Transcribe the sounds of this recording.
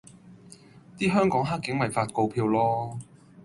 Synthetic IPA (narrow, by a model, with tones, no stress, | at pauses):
t̪iː˥ɦœː˥ŋkɔː˨˥ŋɦa˥kːɪ˨˥ŋmɐ˨jfaː˧t̚ko˧wpʰiː˧wlɔː˥